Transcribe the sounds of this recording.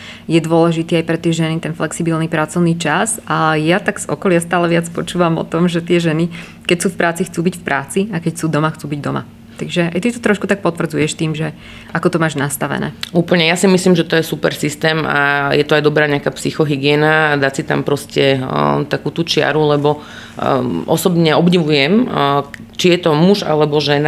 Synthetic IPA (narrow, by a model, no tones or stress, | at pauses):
jɛd̪ʊɔlɛʒit̪iːajpɾɛt̪ɪjɛʒɛnit̪ɛnflɛksibilnipɾat͡sɔʊniːt͡ʃazajat̪aɡz̥ɔ̰kɔlɪast̪aːlɛʋɪat͡spɔt͡ʃuːʋamɔ̰t̪ɔmʒɛt̪ɪɛʒɛni | kɛcsuːfpɾʔaːt͡sixt͡suːbicfpɾʔaːt͡siakɛcsuːd̪ɔmaxt͡suːbiɟd̪ɔma̰ | t̪aɡʒɛajt̪it̪ɔt̪ɾɔʃkut̪ak̚pɔt̪ʋvr̩d͡zujɛʃt̪iːmʒɛ | ʔakɔt̪ɔmaːʒnast̪aʋɛ̰nɛ̰ːuːpl̩ɲɛjasimisliːmʒɛt̪ɔjɛsupɛɾsist̪ɛːma̰jɛt̪ɔajd̪ɔbɾaːɲɛakaːpsixɔɦiɡɪɛːnad̪asit̪a̰mpɾɔscɛt̪akuːt̪uːt͡ʃɪa̰ɾulɛbɔ | ʔɔ̰sɔbɲɛɔbɲiʋujɛm | t͡ʃijɛt̪ɔmuʒa̰lɛbɔʒɛna